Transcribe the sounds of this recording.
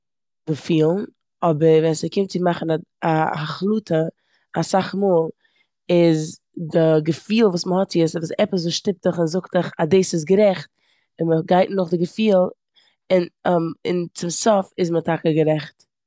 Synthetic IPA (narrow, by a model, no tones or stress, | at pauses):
dəfiːlˠn̩ | ɔbəɾvɛnsəkɪmtt͡sɪmaχn̩aaaχlˠuːtə | asaχmoːlˠ | ɪz | dɪɡəfiːlˠvuːsməhɔtt͡sjəsvəsɛpəs̬zoːʃtɪp̚təχɪnzʊktəχadeːsɪsɡəɾɛχt̚ | ɪnməɡaɪtn̩nʊχdɪɡəfiːlˠ | ɪnmɪnt͡sɪmsɔfɪzmətʰakəɡəɾɛχt